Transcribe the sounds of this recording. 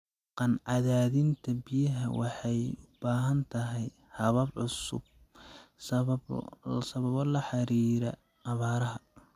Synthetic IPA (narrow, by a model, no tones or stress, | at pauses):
qɑnʕɑðaːðɪnt̪ʰɐbijɐɦɐwɑħɑjʊb̥aːɦɐnt̪ʰɐɦɛj | hɐβɐbʕʊsʊ̰b̚ | s | sɐβɐβɔlɐħɑɾiːɾɐ | ʔːβaːɾɐɦɐ